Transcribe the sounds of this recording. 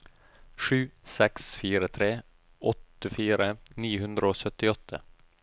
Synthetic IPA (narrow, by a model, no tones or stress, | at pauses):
ʂʉːsɛksfiːɾət̪ʰɾeː | ʔɔt̪əfiːɾəniːhʉnd̪ɾəoːsœt̪ɪɔt̪ʰːə̰